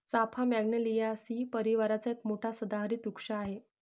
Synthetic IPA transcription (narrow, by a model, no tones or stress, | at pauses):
t͡sapʰamjaɡɳəlijasiːpəɾiʋaɾat͡saekmoʈʰasəd̪aɦɾiːt̪ukʂaːɦe